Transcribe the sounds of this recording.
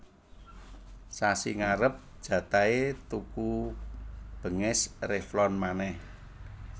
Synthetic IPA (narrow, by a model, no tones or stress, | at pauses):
sasiŋaɾəp̚ʒ̥ä̤t̪aet̪uku | b̥ə̤ŋɪsrɪhflɔnmanɛh